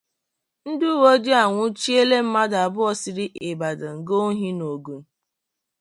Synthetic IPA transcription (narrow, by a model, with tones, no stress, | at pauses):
n̩˦dʊ˦wo˦d͡ʒi˦a˨ŋʷʊ˦t͡ʃi˦e˦le˦m̩˦ma˦da˨bʊ˦ɔ˦sɪ˦ɾɪ˦ʔe˨ba˨da˨ŋ̩˨ɡo˦ɦi˦no˨ɡu˨m̩˦